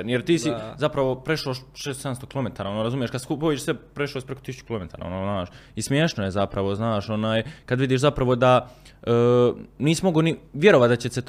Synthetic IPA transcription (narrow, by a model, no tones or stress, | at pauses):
enjeɾt̪iːsizapɾaʋo̞pɾeʃloʃʃeːst̪sed̪amst̪o̞kilo̞me̞t̪aːɾaonoːɾazumjeʃkad̪skupojeʃsepɾeʃlosʲpɾe̞kot̪isut͡ʃu̥kilome̞t̪ʰaːɾa̰o̰noːznaːʃismjeːʃnojezapɾaʋo̞znaːʃo̞naːjkad̪ʋid̪iːʃzapɾaʋo̞d̪a | niːsimoɡoniʋje̞ɾoʋat̪d̪at͡ɕeset̪